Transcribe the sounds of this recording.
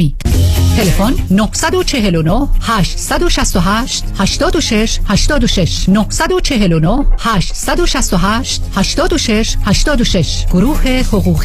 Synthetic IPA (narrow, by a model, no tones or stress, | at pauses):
i̥t̪ʰe̞lefonnohsæd̪ot͡ʃʰe̞ɦe̞lonohhæːʃt̪sd̪oʃæst̪oɦæːʃt̪hæʃt̪ɒːd̪oʃeʃhæʃt̪ɒːd̪oʃeʃnohsæd̪ot͡ʃʰeɦelonohhæʃt̪sæd̪oʃæst̪oɦæːʃt̪hæʃt̪ɒːd̪oʃeʃhæʃt̪ɒːd̪oʃeʃɡ̥oɾuːhe̞hoɣuːɣ